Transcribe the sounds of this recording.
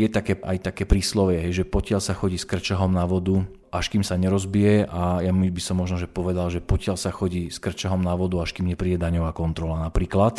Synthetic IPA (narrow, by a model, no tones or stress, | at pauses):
jɛt̪akɛːʔa̰jt̪akɛːpɾiːslɔʋɛɦɛjʒɛpɔcɪaʎsaxɔɟiːskr̩t͡ʃaɦɔmnaʋɔd̪u | ʔaʃkiːmsaɲɛɾɔzbijɛajamibisɔmːɔʒnɔʒɛpɔʋɛd̪alʒɛpɔcɪalsaxɔɟiːskr̩t͡ʃaɦɔmnaʋɔd̪uaʃkiːmɲɛpɾiːɟɛd̪aɲɔʋaːkɔnt̪ɾɔlanapɾiːklat̪